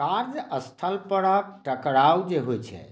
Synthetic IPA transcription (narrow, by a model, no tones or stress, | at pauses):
kaɾd͡ʒəst̪ʰəlpəɽəʈəkɽawd͡ʒeɦojt͡ʃʰɛ̰